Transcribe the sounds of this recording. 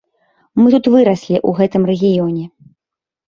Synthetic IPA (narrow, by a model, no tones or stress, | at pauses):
mɨt̪ut̪vɨɾɐsʲlʲiʔuɣɛt̪ɨmrɛɣʲijɔnʲɛ